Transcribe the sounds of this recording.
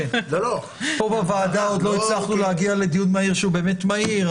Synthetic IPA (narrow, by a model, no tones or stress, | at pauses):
elolo | pobavaːd̪ao̞d̪lo̞it͡slaχnulehaɡiale̞d̪ijunmaiʁʃeube̞ːme̞tmaiʁ